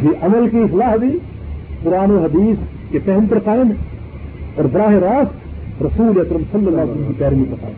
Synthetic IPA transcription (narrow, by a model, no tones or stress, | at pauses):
kiʔɐməlkiɪxlaːɦbʱi | pʊɾaːnoɦɐd̪iːs | kepɛɦmpɐɾsaːẽn | ɔːɾb̪ɾaːɦeɾaːst̪ɾɐsuːleɐkɾəmsɐlːɐlːaːsələmkipɛːɾmipɐɾɐsa̰ː